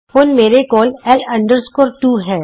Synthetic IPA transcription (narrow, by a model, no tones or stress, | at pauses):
ɦʊnmeːɾekɔːlɛːlɐ̃ɳɖəɾskoːɾʈuːɦɛ̃ː